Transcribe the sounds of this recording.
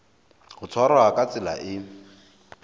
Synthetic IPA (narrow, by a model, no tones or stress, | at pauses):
hʊt͡sʰwaɾaakʼat͡sʼɪla̰ʔɪ